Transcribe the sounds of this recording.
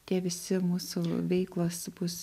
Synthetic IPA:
t̪ʲiɛʋʲɪsʲɪmuːsuʋʲɛɪklˠoːsbʊs

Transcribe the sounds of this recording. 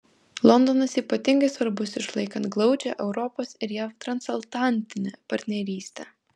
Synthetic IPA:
lˠɔnd̪onɐsiːpɐt̪ʲɪŋɡɐɪsʋɐɾbʊsɪʃlˠɐɪkɐnt̪ɡlˠɒʊd͡ʒʲɛ̰ʔɛʊɾɔpoːsɪɾjæːʋt̪ɾɐnsɐlˠt̪ɑˑnʲt̪ʲɪnʲɛːpɐɾʲt̪ʲnʲɛɾʲiːsʲt̪ʲɛː

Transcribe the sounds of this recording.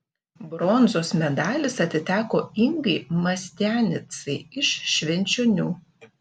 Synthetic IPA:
bɾɔnzoːsmʲɛd̪ɑːlʲɪsɐt̪ʲɪt̪ʲæːkoːɪŋɡɐɪmɐsʲt̪ʲæːnʲɪt̪sɐɪɪʃːʲʋʲɛnʲˑt͡ʃʲonʲuː

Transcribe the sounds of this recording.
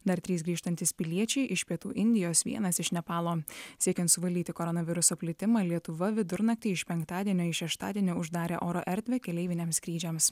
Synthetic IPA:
d̪ɐɾt̪ʲɾʲiːsɡɾʲiːʃt̪ɐnʲt̪ʲɪspʲɪlʲiɛt͡ʃʲɛɪʔɪʃpʲiɛt̪uːʔɪnʲd̪ʲɪjoːsʋʲḭɛnɐsɪʃnʲɛpɑːlˠoːsʲiɛkʲɛnt̪sʊʋɐlʲd̪ʲiːt̪ʲɪkɔɾɔnɐʋʲɪɾʊsoːpʲlʲɪt̪ʲɪmɑːlʲiɛt̪ʊʋɐʋʲɪd̪ʊɾnɐkt̪ʲɪɪʃpʲɛŋkt̪ɑːd̪ʲiɛnʲoːɪʃʲɛʃt̪ɑ̰ːd̪ʲiɛnʲoʊʒd̪ɑːɾʲḛːʔoːɾɔʔɛɾʲd̪ʲʋʲɛkʲɛlʲɛɪʋʲɪnʲeːmskɾʲiːd͡ʒʲɛms

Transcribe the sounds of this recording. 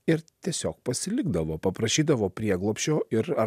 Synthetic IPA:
ɪɾt̪ʲiɛsʲoːk̚pɐsʲɪlʲɪɡd̪ɐʋoːpɐpɾɐʃʲiːd̪ɐʋoːpʲɾʲiɛɡlˠoːpʲʃʲoːʔɪɾɐ

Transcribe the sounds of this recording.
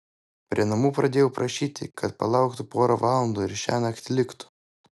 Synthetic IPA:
pʲɾʲiɛnɐmuːpɾɐd̪ʲeːjɛʊpɾʔɐʃʲiːt̪ʲɪ̰kʰɐt̪pɐ̰lˠɑˑʊkt̪ʊpoːɾoʋɑːlˠɔnd̪oːɪɾʃʲæːnɐɐkt̪ʲlʲɪkt̪ʊ̥

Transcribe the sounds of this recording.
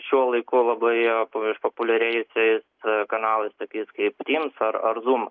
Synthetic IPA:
ʃʲuɔlˠɐɪkʊlˠɐbɐɪpoʃpopʊlʲɛɾʲɛɪjʊsʲɛɪskɐnɑːlˠɐɪst̪oːkʲiːskɐɪpt̪ʲiːmsɐɾɐɾzuːm

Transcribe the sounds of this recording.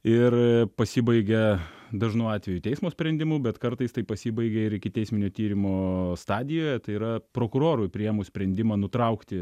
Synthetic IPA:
ɪrpɐsʲɪbɐɪɡʲɛd̪ɐʒnɐʊɑːt̪ʲʋʲɛjut̪ʲɛɪsmoːsʲpʲɾʲɛnʲd̪ʲɪmʊbʲɛt̪kɐɾt̪ɐɪst̪ɐɪpɐsʲibɐɪɡʲɛɪɾɪkʲɪt̪ʲɛɪsʲmʲɪnʲoːt̪ʲiːɾʲɪmoːst̪ɑːd̪ʲɪjoːjɛt̪ɐɪiːɾɐpɾoːkʊɾoːɾʊɪpʲɾʲɪjɛmʊsʲpʲɾʲɛnʲd̪ʲɪmɐːnʊt̪ɾɐʊkt̪ʲɪ

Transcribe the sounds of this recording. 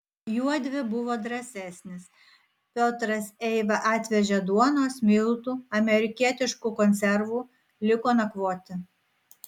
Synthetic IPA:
juɔd̪ʲʋʲɪbʊʋoːd̪ɾɐsʲɛˑsʲnʲɪs | pʲoːt̪ɾɐsɛɪʋɐʔɑːt̪ʲʋʲɛʒʲɛd̪uɔnoːsmʲɪlˠt̪uːɐmʲɛɾʲɪkʲiɛt̪ʲɪʃkukɔnʲt̪sʲɛɾʋuː | lʲɪkoːnɐkʋoːt̪ʲɪ

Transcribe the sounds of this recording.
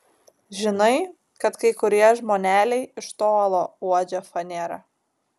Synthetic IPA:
ʒʲɪnɐɪ | kɐt̪kɐɪkʊɾʲiɛʒmoːnʲæːlʲɛɪɪʃt̪oːlˠoːuɔd͡ʒʲofɐnʲeːɾɐ

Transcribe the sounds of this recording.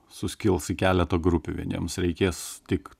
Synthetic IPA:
sʊsʲkʲɪlˠsɪkʲæːlʲɛt̪oɡɾʊpʲʊʋʲḭɛnʲḭɛmsɾʲɛɪkʲeːst̪ʲɪk

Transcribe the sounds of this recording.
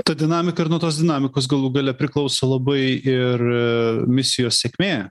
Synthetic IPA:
t̪ɐd̪ʲɪnɑːmʲɪkɐɪɾnuɔt̪oːsd̪ʲɪnɑːmʲɪkoːsɡɐlˠuɡɐlʲɛpʲɾʲɪklˠɐʊsoːlˠɐbɐɪɪrmʲɪsʲɪjoːsʲsʲɛkmʲeː

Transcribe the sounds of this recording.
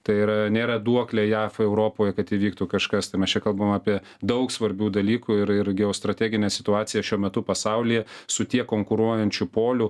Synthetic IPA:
t̪ɐɪiɾɐnʲeːɾɐd̪uɔklʲejæːfɛʊɾoːpoːjɛkɐt̪iːʋʲiːkt̪uːkɐʃkɐst̪ɐɪmʲɛst͡ʃʲɛkɐlˠbɐomɑːpʲiɛ | d̪ɐʊksʋɐɾʲbʲuːd̪ɐlʲiːkuɪɾɪɾɡʲɛoːst̪ɾɐt̪ʲæːɡʲɪnʲɛsʲɪ̥t̪ʊɑːsʲɪjɛʃʲuɔmʲɛt̪ʊpɐsɐʊlʲɪjɛsʊt̪ʲiɛkoːŋkʊɾuɔjɛnʲt͡ʃʲʊpoːlʲʊ

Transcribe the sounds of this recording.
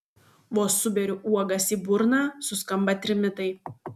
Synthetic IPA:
ʋoːsʊbʲɛɾʲʊʔuɔɡɐsiːbʊɾnɑːsʊskɐmbɐt̪ʲɾʲɪmʲɪt̪ɐɪ

